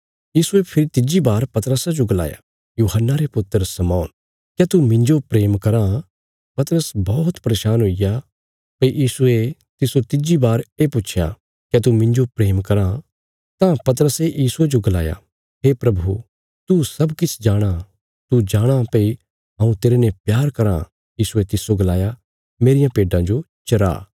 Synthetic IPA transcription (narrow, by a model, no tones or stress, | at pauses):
jiːsuepʰɪɾit̪ɪd͡ʒibaːɾpɐt̪əɾəsad͡ʒoɡɐla̰ːja̰ | juːɦənːaɾepʊt̪ːəɾsɐmɔːn | kjɛt̪umɪ̃ɲd͡ʒopɾeːmkɐɾã | pɐt̪əɾəsbɔːt̪pɐɾeːʃaːnɦoija | pɐijiːsue | t̪ɪsot̪ɪd͡ʒibaːɾepʊːt͡ʃʰja̰ | kjɛt̪umɪ̃ɲd͡ʒopɾeːmkɐɾã | t̪ãpɐt̪əɾəsejiːsued͡ʒoɡɐla̰ːja̰ | ɦeːpɾɐbʱu | t̪usɐbkɪt͡ʃʰd͡ʒaːɽ̃a | t̪ud͡ʒaːɽ̃apɐi | ɦãːũt̪eːɾenɛ̃pjaːɾkɐɾã̰ | jiːsuet̪ɪsoɡɐlaːja | meːɾɪjãpeːɖãd͡ʒo | t͡ʃɐɾa̰ː